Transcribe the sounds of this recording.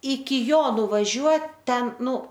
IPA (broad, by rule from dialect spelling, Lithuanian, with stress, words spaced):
ɪkʲɪ ˈjoː nʊʋɐˈʒʲuɔt ˈtʲɛn ˈnʊ